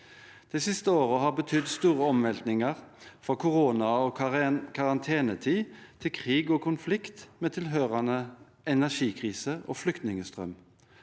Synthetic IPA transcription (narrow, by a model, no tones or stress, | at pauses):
d̪̥ɛːsɪst̪əoːʁəɦɑːbət̪ʰʏd̪st̪uːʁəɔmʋɛlt̪nɪŋəʁfɔkʰʊʁoːnɑoːkʰɑʁɑnt̪ʰeːnət̪ʰiːt̪ʰɪlkʰʁiːɡoːkʊnflɪkt̪meːt̪ʰɪlɦøːʁɑnə | ʔɛnæʂiːkʰʁiːsəʔo̰ːflʏkt̪nɪŋəst̪ʁœ̰m